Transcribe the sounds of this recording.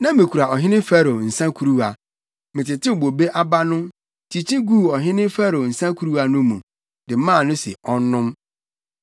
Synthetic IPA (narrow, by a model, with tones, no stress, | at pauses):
nã˦mɪ̃˨kʰu˨ɾa˨ʔɔ˨ɦɪ̃˦nɪ̃˦fa˦ɾo˨n̩˨sã˦kʰu˨ɾu˦a˨ | mɪ̃˨tɪ˨tʰɪ˦˨bo˨be˦ʔa˦ba˦nʊ̃˦m | tʰi˨t͡ɕʰi˦ɡu˦˨ɔ˨ɦɪ̃˦nɪ̃˦fæ˦ɾo˨n̩˨sã˦kʰu˦ɾu˦a˨nʊ̃˦mũ˨ | dɪ˨˦mãː˦˨nʊ̃˦sɪ̰˨ɔ˦n˦nːʊ̃˦m